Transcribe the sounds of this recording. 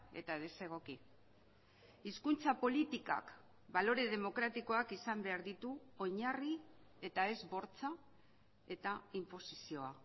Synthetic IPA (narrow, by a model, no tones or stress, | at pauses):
e̞̰t̪aðe̞se̞ɣ̞o̞ki | iskunt͡sapo̞lit̪ika̰k | balo̞ɾe̞ð̞e̞mo̞kɾat̪iko̞akisambe̞aɾðit̪uo̞ɲarie̞t̪ae̞zbo̞ɾt͡sa | e̞t̪aimpo̞sisio̞a